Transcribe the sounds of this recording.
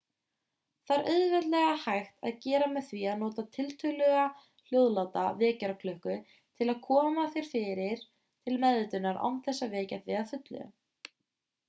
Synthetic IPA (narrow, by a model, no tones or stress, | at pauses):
θaɾʔœðvɛt̪lɛɣahajxt̪a̰ðcɛːɾamɛðθviaðnɔːt̪at̪ʰɪlt̪ʰœɣlœɣa | l̥joːwðlawt̪avɛːcaɾakʰlʏhkʏ | t̪ʰɪlaðkʰɔːmaθjɛɾ̥fɪɾɪɾ̥ | t̪ʰɪlmɛðɪt̪ʏnaɾa̰wmθɛsːavɛːcatvɪðafʏt̪lʏ̰